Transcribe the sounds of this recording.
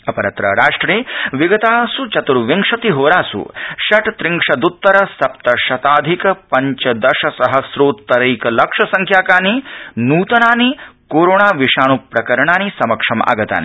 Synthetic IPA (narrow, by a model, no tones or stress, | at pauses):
ɐpɐɾɐt̪ɾɐ̰ɾaːʂʈɾeːʋiɡɐt̪aːsut͡ʃɐt̪uɾʋiŋkʂɐt̪iɦoːɾaːsṵʃɐʈt̪ɾiŋkʂɐd̪ut̪ːɐɾɐsɐp̚t̪ɐʃɐt̪aːd̪ʱikɐpɐɲt͡ʃɐd̪ɐʃɐsɐɦɐsɾoːt̪ːɐɾɐjkɐlɐkʂɐsɐŋkʰjaːkaːninuːt̪ɐnaːnikoːɾoːɳaːʋiʂaːɳ̃upɾɐkɐɾɐɳaːnisɐmɐkʂɐmɐ̰ɡɐt̪a̰ːnḭ